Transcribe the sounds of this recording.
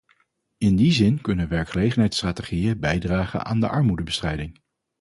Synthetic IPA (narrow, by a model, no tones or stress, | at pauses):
ɪndizɪnkɵnəʋɛɹkχəlejχənɦɛjtstraːteχijəbɛjdraːχə̰nʔa̰ːndə̰ʔɑɹmudəbəstrɛjdɪŋ